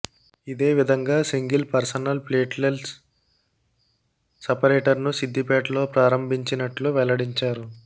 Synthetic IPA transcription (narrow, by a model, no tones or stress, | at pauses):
id̪e̞ːʋid̪ʱɐŋɡaːsiŋɡilpɐɾsɐnɐlpleːʈlels | sɐpɐɾeːʈɐɾnusid̪ːipɛːʈlo̞ːpɾaːɾɐmbʱiɲt͡ʃinɐʈluʋɛlɐɽiɲt͡ʃaːɾu